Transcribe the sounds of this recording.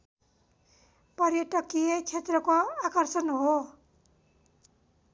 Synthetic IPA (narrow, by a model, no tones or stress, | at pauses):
pʌɾjʌʈʌkijet͡sʰet̪rʌkoakʌrsʌnɦo